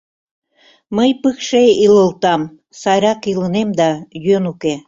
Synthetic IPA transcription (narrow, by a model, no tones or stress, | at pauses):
məjpɨkʃeiləlˠt̪ɑm | sɑjɾɑkilənemd̪ɑjønuke